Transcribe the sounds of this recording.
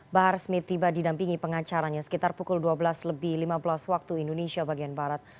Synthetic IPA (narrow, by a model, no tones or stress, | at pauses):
baɦarsmɪt̪ːibadidampiŋipəŋat͡ʃaɾaɲasə̥kit̪arpukʊlduabəlasləbɪhlimabəlaswak̚t̪uindonesiabaɡianbaɾat̪̚